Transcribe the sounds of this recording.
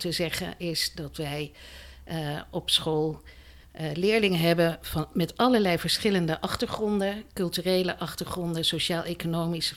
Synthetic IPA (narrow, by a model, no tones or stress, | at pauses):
təzɛχə̰nʔɪsdɑtʋɛj | ɔpsχoːlˠ | lɪːɹlɪŋəɦɛbəv̥ɑnmɛtɑləɹlɛjvəɹsχɪləndəʔɑχtəɹχrɔndəkɵlˠtyːrejlə̰ʔɑχtəɹχrɔndəsoʃaːlˠʔejkonowmisə̥